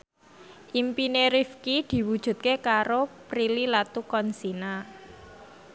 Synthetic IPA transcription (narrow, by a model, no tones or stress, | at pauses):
ʔimpineɾifkid̪̥i̤wud̥ʒ̥ṳt̪̚kekaɾopɾililat̪ukɔnsina